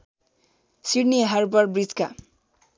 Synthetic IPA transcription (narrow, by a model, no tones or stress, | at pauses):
siɽneɦarbʌrbrid͡zka